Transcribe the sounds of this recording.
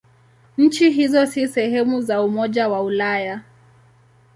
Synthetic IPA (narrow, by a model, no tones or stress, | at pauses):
ɲ̩t͡ʃiɦizɔsisɛɦɛmuzaumɔʄawaulaja